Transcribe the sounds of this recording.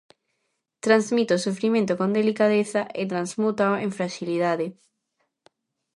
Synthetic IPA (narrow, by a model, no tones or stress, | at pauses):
t̪ɾanzmit̪osufɾimẽnt̪okõnd̪elikaðeθaʔet̪ɾanzmut̪aoʔẽɱfɾaʃiliðaðe